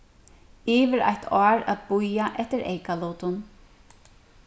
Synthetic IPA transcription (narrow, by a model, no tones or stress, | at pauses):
iːvɪɾa̰jt̪ʰɔːɾa̰ðbujaʔɛht̪ɪɾʔḛjkalʊːt̪ʊn